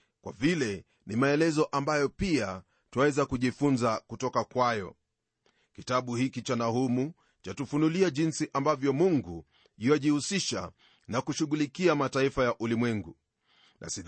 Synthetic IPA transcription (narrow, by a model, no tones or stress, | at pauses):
kwa̰vilɛ | nimaɛlɛzɔʔambajɔpia | twawɛzakuʄifunzakutɔkakwajɔ̰ | kitaɓuhikit͡ʃanahumu | t͡ʃatufunuliaʄinsiʔambavjɔmuŋɡu | jiwaʄihusiʃa̰ | nakuʃuɣulikiamataifajaʔulimwɛŋɡu | nʔa̰si